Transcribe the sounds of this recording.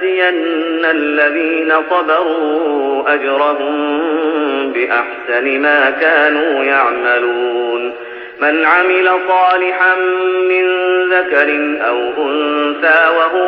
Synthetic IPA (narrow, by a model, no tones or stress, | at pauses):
ɪjanːalːaðiːnasˤɑbɑɾuːʔad͡ʒɾˤɑɦʊm | bɪʔaħsanɪmaːkaːnuːjaʕmaluːuːn | manʕamɪlasˤɑːlɪħanːɪnðakaɾɪnʔawʔʊnsaːwaɦʊ